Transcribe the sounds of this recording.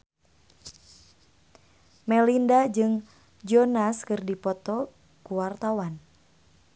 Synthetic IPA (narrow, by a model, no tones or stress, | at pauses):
mɛlindad͡ʒɨŋ | d͡ʒɔnaskɨrdipɔt̪ɔ | kuwart̪awan